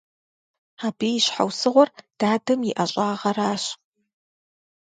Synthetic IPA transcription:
aːbiːjɪɕħa̰wsɨʁʷɔrd̥aːdɐmjɪʔɐɕʼaːʁɐraːɕ

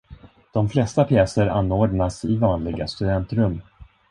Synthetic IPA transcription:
d̪̥ɔmflɛst̪apʰjɛːsəɾa̰nːoːɖnasɪvɑːnlɪɡast̪ɵd̪ɛnt̪ɾɵmː

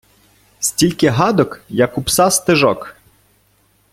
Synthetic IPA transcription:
sʲtʲilʲkɪɦɑd̪ɔkjɐkupsɑst̪ɪʒɔk

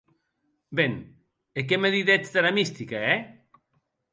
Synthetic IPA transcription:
beŋ | ekemeðiðet͡sðeɾamist̪ikaɛ

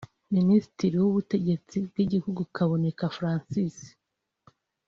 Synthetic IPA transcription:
minisi̥tiɾiwuβute̞ɟe̞t͡sibɡiɟihuɡukaβo̞ne̞kafɾaːnsisi̥

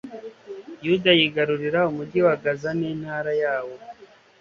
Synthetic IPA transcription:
judajiɡaɾuɾiɾaumuɟiwaɡazaniːn̥haːɾajaːwo̞

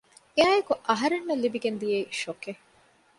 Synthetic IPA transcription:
eaːjekuʔɐɦɐɾenːelːibiɡend̪ijeiʃoke

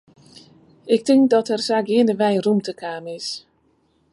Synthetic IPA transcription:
ɪk̚tɪŋk̚dɔtɛrsaːɡɪːnəʋɛjrumtəkaːmɪs

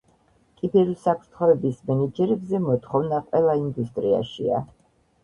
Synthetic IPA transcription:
kʼibɛɾusapʰɾt̪ʰχɔɛbismɛnɛd͡ʒɛɾɛbzɛmɔt̪χɔvnaqʼwɛlˠaind̪ust̪ʼɾia̰ʃḭa̰

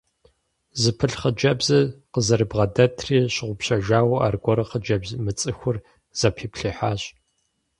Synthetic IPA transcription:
zɨpʰɨɬχəd͡ʒɐbzɐqəzɐrɨbʁɐdɐtʰriːɕɪʁʷʊpɕɐʒaːwa̰rɡʷɔɾɐχəd͡ʒɐbzmɨt͡sʼɨxʷʊr | z̥ɐpʰiːpɬiːħaːɕ

